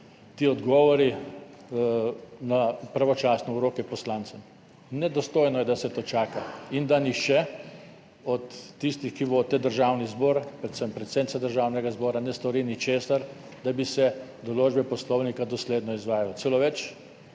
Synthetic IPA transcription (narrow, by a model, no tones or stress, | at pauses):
t̪iːɔd̪ɡɔːʋɔɾi | napɾaʋɔt͡ʃaːsnɔuɾoːkɛpɔslant̪sɛm | nɛd̪ɔst̪oːjnɔjɛd̪asɛt̪oːt͡ʃaːkaind̪anixʃt͡ʃɛ | ɔt̪ːist̪ixkiʋot̪ɛd̪əɾʒawnizboːɾpɾɛt̪səmpːɾɛt̪sent̪sad̪əɾʒaːwnɛɡazbɔːɾanɛst̪ɔɾinit͡ʃeːsaɾ | d̪abisɛd̪ɔloːd͡ʒbɛpɔslɔwnikad̪ɔsleːd̪nɔizʋaːjalɔt̪seloʋɛt͡ʃ